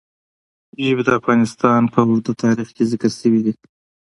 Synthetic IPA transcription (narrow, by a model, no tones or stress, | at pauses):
ʒəbed̪əafɣɑnɪst̪ɑnpʰəd̪ət̪ʰɑɾixkezɪkəɾsəwid̪i